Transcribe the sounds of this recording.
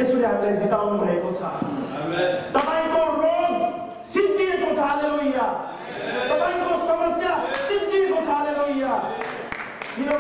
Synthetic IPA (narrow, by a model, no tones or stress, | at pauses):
esuɾeɦamilajd͡zit̪awnubʱʌekot͡sʰʌ̰ | t̪ʌpaĩkoroɡ | sit̪iekot͡sʰaleoija | t̪ʌpaĩkosʌmʌsjasit̪iekot͡sʰaleɦoija | kino